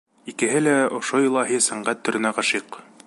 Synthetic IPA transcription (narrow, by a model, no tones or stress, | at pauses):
ikɘ̆ɦɘlæŏʃojɤlˠɑɦisæɴɢæt̪ːɵ̆ɾɘ̆næʁɑʃiq